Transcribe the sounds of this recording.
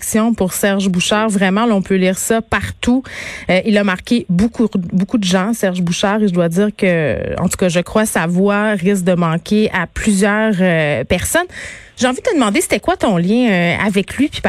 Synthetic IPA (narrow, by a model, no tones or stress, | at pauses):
ksjɔ̃puʁsɛʁʒbuʃaːʁvʁɛmɑ̃lɔ̃pøliːʁsʌpaʁt̪uøʔilʌmaʁkʲebukubokud̪əʒɑ̃sɛʁʒbuʃaːʁeʒəd̪wad̪d͡z̪iːʁkəɑ̰̃t̪u̥kʌʒəkχwasavwaʁɪs̬k̚d̪əmɑ̃kʲʰeʔaplyzjœːʁøpɛʁsɔnʒeɑ̃vid̪ət̪əd̪əmɑ̃d̪ese̥t̪ɛkwat̪ɔ̃ljɛ̃øa̰vɛklɥipi̥p